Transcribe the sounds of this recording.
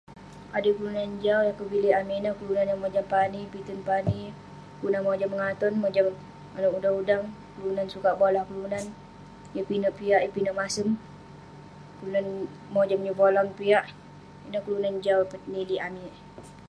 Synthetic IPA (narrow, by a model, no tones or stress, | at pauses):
ʔadəkəlunand͡ʒawjakəbiliaminəhkəlunanjamod͡ʒampanipit̪unpani | kunanmod͡ʒaməŋat̪ɔnmod͡ʒam | anəʔudaudaŋkəlunansukaʔbolahkəlunan | jəpinəʔpiaʔjəpinəʔmasəm | kəlunan | mod͡ʒamɲəbolɔŋpiaʔ | inəhkəlunand͡ʒawpət̪niliami